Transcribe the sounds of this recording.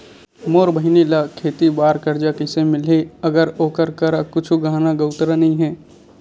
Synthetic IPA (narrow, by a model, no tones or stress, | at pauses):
moːɾbʱəɦɪnilakʰeːt̪ibaːɾkəɾd͡ʒakɪsemɪleɐɡəɾoːkəɾkəɾakʊt͡ʃʰuɡaːnaɡəʊt̪ɾanɐɦĩɦɛː